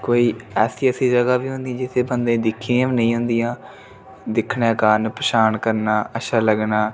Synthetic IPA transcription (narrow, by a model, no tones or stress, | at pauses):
koːiːɛːsiːəsiːd͡ʒəɡaːʋiːɦʊ̃nd̪ijãːd͡ʒɪt̪ʰeːbənd̪ẽːd̪ɪkʰːiãːʋnəĩːɦʊ̃nd̪ɪjãː | d̪ɪkʰnãːkaːnpəʃaːnkəɾnaːəʃaːləɡnaː